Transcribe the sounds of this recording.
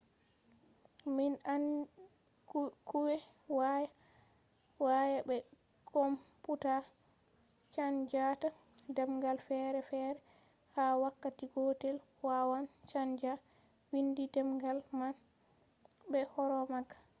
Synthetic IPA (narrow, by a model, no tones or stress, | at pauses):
minan | kuwɛ | waja | wajabɛ | kɔmputa | t͡ʃand͡ʒata | dɛmɡalfɛɾɛfɛɾɛ | hawakːatiɡɔtɛl | wawant͡ʃand͡ʒa | windidɛmɡalman | bɛhɔɾɔmakːḁ